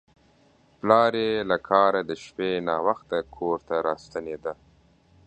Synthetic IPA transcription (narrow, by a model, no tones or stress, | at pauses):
plɑːɾelakʰɑːɾad̪əʃpenɑwaxt̪akʰoɾt̪aɾɑst̪aned̪a